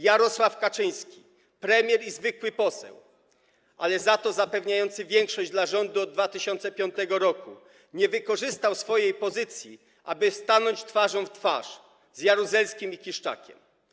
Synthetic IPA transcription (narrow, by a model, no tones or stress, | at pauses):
jaɾɔswafkat͡ʂɘj̃skʲi | pɾɛmʲjɛɾizvɘkwɘpɔsɛ̰w | ʔalɛzat̪ɔzapɛvɲajɔnt̪sɘvʲjɛŋkʂɔʑd͡ʑd̪laʐɔnd̪uɔd̪̚ːvat̪ɘɕɔnt̪sɛpʲjɔnt̪ɛɡɔɾɔku | ɲɛvɘkɔʐɘst̪awsfɔjejpɔzɘt̪sʲji | ʔa̰bɘst̪anɔɲt͡ɕt̪faʐɔ̃w̃ft̪fa̰ʂ | zjaɾuzɛlskʲimikʲiʂt͡ʂa̰kʲɛ̰m